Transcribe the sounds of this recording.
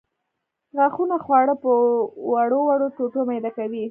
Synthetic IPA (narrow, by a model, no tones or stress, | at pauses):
ɣaxunaxwɑɽəpəwaɽowaɽot̪oʈomajd̪akawi